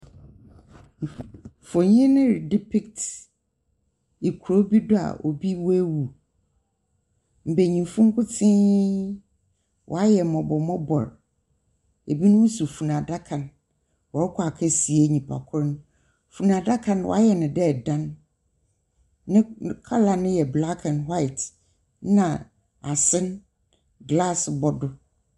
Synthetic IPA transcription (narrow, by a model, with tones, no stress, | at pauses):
fo˨ɲĩ˦nɪ̃˦ɾdi˦pʰɪ˦kt | i˨kʰu˨ɾo˦bi˦dʊ˦a̰˨ʔo˨bi˦wɔ˦e˦wu˨ | m̩˨be˨ɲĩ˨m˨fʊ̃˦ŋ̩˦kʰʊ˦tʰɪ̃˦ | wʔɔ̰˨a˦jɛ˨mɔ̃˨bɔ˨mɔ̃˦bɔ˨ɾ | e˨bi˦nʊ̃˦wʊ̃˦su˨fu˨nã˨da˦kʰã˨n | wɔ˨ɾɪ˦kʰʊ˦a˨kʰɛ˦si˨e˦˨ɲĩ˨pʰa̰˨kʰʊ˦ɾnʊ̃˦ | fu˨nã˨da˦kʰã˦n˦wɔ̰˨a˦jɛ˨nɪ̃˨dɛ˦˨dã˦n | ɪ̃˦˨kʰa˦la˨nʊ̃˦jɛ˨bla˦kʰã˨nɦwa˦ɪ˨t | nã˨ | a˨sɪ̃˦n | ɡla˦sbɔ˨dʊ˨